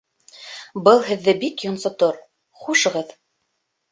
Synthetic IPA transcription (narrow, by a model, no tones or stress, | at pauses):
bɤlˠɦɘ̆ðːɘbikjŏnsɑt̪oɾ | χuʃɤ̆ʁɤð